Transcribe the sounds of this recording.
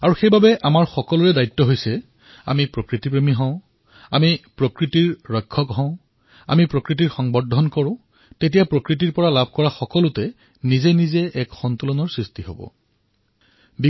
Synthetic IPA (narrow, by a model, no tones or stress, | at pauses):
aɹuxejbabɛʔamaɹxɔkɔlʊɹɛdajtːɔɦojsɛ | a̰mipɹokɹitipɹemiɦɔ̃ʊ̃ | amipɹokɹitiɹɹɔjkʰːɔkɦɔ̃ʊ̃ | a̰mipɹokɹit̬iɹxɔŋbɔdʱɔnkɔɹʊ̃ | tetijapɹokɹit̬iɹpɔɹalabʱkɔɹaxɔkɔlʊtɛ | nizɛnizɛʔɛkxɔnt̪ulɔnɔɹsɹistiɦobɔ̰ | bi